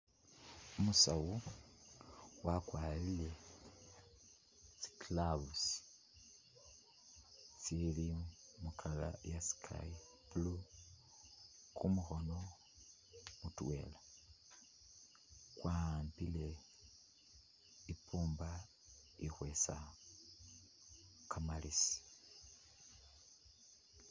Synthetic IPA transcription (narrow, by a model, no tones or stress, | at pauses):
umusawu | wakwalile̞ | si̥klaβus | silimukʰala̰jasi̥kʰa̰i | plu | kumuxo̞no̞ | mutwe̞̰la | kwampile | ipʰuːmba | ixwe̞sa | kʰamalisi̥